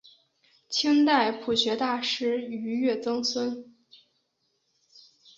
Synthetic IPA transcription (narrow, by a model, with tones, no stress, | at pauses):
t͡ɕʰi˥ŋt̪a˥˩ɪpʰu˨˩ɕɥɛ˧˥t̪a˥˩ʂɻ̩˥y˧˥ɥɛ˥˩t͡sɤ˥ŋswə˥n